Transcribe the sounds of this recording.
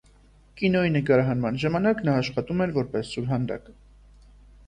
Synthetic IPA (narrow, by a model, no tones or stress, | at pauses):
kinɔjinəkɑɾɑɦɑnmɑnʒɑmɑnɑknɑːʃχɑt̪umɛɾvɔɾpɛsːuɾɦɑnd̪ɑ̰k